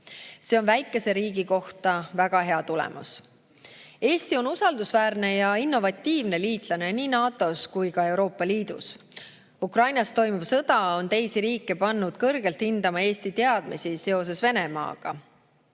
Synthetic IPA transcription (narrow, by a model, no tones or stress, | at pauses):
se̞o̞nvæjkːˑe̞se̞ɾiːɡiko̞ht̪ɑvæɡ̥ɑɦe̞ɑt̪ulɛ̰mʔṵs | e̞ːst̪io̞nusɑld̪usvæːrne̞jɑinːo̞vɑt̪ʲːiːvne̞liːt̪ˑlɑne̞niːnɑːt̪ˑo̞skujkɑe̞wɾo̞ːpːˑɑliːd̪̥ṵs | ukrɑjnɑst̪o̞jmuvsɤd̪̥ɑo̞nt̪e̞jsiɾiːkːˑe̞pɑnːud̪̥kɤrɡ̥e̞lt̪hind̪̥ɑmɑe̞ːst̪it̪e̞ɑd̪̥misise̞o̞s̬e̞sve̞ne̞mɑ̰ːɡ̥ɑ̰